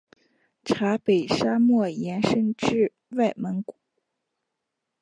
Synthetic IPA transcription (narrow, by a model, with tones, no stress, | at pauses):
ʈ͡ʂʰa˧˥pe˨˩ɪʂa˥mwɔ˥˩jɛ˧˥nʂə˥nʈ͡ʂɻ̩˥˧ | wa˥˩ɪmə˧˥nku˨˦